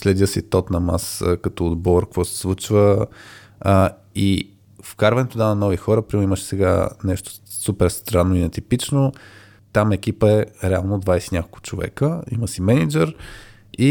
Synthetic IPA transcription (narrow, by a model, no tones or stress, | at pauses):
slɛd̪ʲəsit̪ɔt̪nɐma̰skɐt̪ɔːd̪bɔɾkkvɔsɛ̥svut͡ʃvə | i | fkaɾvɐnɛt̪od̪anɐnɔvixɔɾəpɾiiməʃɛ̥sɛɡa̰nɛʃt̪o̥supɛɾst̪ɾanːoinɛt̪ipit͡ʃno | t̪amɛk̟ipəɛɾɛalˠnod̪vajsinʲakolˠkʊ̥t͡ʃovɛ̰kəḭməsimɛnid͡ʒɛɾ | i